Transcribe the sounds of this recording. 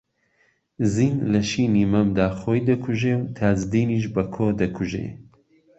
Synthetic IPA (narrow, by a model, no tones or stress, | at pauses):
ziːnlɐʃiːniːmɐmd̪aːxoːjd̪ɐkʰuʒewt̪ʰaːzd̪iːniːʃ̬bɐkʰoːd̪ɐkʰuʒḛ